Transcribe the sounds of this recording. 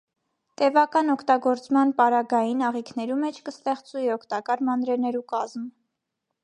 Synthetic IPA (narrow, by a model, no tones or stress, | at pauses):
t̪ɛvɑkɑnɔkʰt̪ɑɡɔɾt͡smɑnpɑɾɑɡɑjinɑʁikʰnɛɾumɛt͡ʃʰkəst̪ɛχt͡suiɔkʰt̪ɑkɑɾmɑnɾɛnɛɾukɑzm